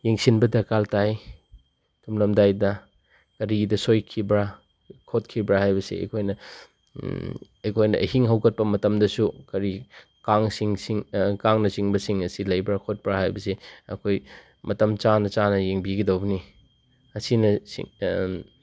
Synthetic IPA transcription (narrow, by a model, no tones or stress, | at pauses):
jeŋsinbɐdɐkaltaj | tʰumlɐmdajdɐ | kɐɾidɐsojkʰibɾa | kʰot̚kʰibɾahajbɐsḛɐ̰kʰojnɐ | ɐkʰojnɐ̰hiŋɦɐwkɐt̚pɐmɐtɐmdɐsukɐɾi | kaŋsiŋsiŋkaŋnɐt͡ʃiŋbɐsiŋɐsilɐjbɾakʰot̚pɾaɦajbɐseɐ̰kʰoj | mɐtɐmt͡ʃanɐt͡ʃanɐjeŋbiɡɐdɐwbni | ɐsinɐsḭ